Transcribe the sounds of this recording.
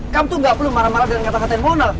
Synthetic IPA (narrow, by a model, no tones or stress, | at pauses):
kamt̪uŋɡapulumaɾamaɾadəŋankat̪akat̪aɪnmɔna